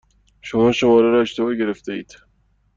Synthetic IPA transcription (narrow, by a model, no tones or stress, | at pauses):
ʃomɒːʃomɒːɾæɾɒːeʃt̪ebɒːɟe̞ɾe̞ft̪eiːd̪̥